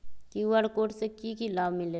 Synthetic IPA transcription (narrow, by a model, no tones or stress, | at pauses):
kiuʋəɽkoːʈsekikilaːbmɪleː